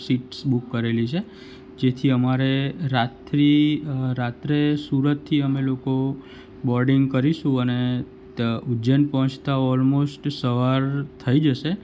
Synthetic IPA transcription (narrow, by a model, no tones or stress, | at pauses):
siʈsbukːəɾelit͡ʃʰe | d͡ʒet̪ʰiəmaɾeɾat̪ɾiɾat̪ɾesuɾət̪ʰːiəmeloko | bɔɾɖiŋɡkəɾiʃũəne | ud͡ʒənpəɦə̃t͡ʃt̪aɔlmosʈsəʋaɾt̪ʰəid͡ʒəʃe